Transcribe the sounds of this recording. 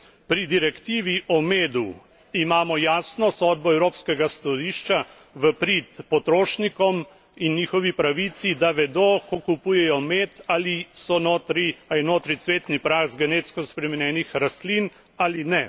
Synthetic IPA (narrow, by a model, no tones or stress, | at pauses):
pɾid̪iɾɛkt̪iːʋiʔɔmeːd̪u | imaːmɔjaːsnɔsɔd̪̚bɔɛwɾoːpskɛɡast̪ɔd̪iːʃt͡ʃa | ʋəpɾit̪pɔt̪ɾoːʃnikɔm | inːjiːxɔʋipɾaʋit̪sid̪aʋɛd̪okokupuːjɛjɔmet̪aːlisɔnoːt̪ɾiainoːt̪ɾit̪sʋeːt̪nipɾaːxzɡɛneːt̪skɔspɾɛmɛnjɛːnixɾast̪lin | aːlinɛ